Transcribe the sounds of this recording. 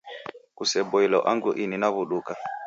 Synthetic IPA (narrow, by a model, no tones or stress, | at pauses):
kusɛɓɔilɔʔa̰ŋɡuʔininaβuɗuka